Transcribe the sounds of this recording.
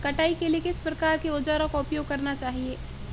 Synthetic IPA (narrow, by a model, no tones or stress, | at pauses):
kɐʈaːikeliekɪspɾɐkaːɾkeod͡ʒaːɾõkaʊpjoːɡ̚kɐɾnat͡ʃaːɦieː